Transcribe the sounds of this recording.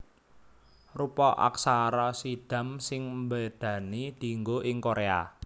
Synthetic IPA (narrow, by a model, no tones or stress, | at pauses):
rupɔʔa̰ksaɾɔsiɖ̪̥ä̤msɪŋmbəd̪̥ä̤nid̪̥i̤ŋɡoʔɪŋkoɾea̰